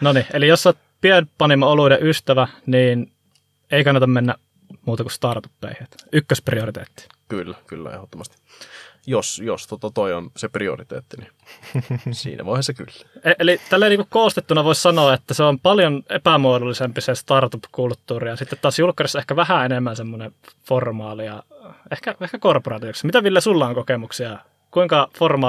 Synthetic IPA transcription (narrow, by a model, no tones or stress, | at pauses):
noniʔelijosːot̪̚ | pienpɑnimɑoludeʔyst̪æʋæniːn | eikɑnːɑt̪ɑmmenːæ | muːt̪ɑkust̪ɑrt̪upːḛˑihet̪ykːøspriorit̪ḛːt̪ːi̥ | kylːækylːæ̰ḛhot̪ːomɑst̪i̥ | josjost̪ot̪ɑt̪oionseprio̰rit̪ḛːt̪ːini | sḭːnæ̰ʋo̰ˑihɑseky̰lːæeʔelit̪ælːeˑiniŋkukkoːst̪et̪ːunɑʋoˑissɑnoɑet̪ːæseompɑljonḛpæmuodulːisempisest̪ɑrt̪upkult̪ːuːrijɑsit̪ːet̪t̪ːɑːsjulkːɑrisːɑehkæʋæhæenemːænsemːoneformɑːlijɑehkæehkækorporɑːt̪ioksmit̪æʋilːæsulːɑoŋkokemuksiɑ | kuiŋkɑformɑː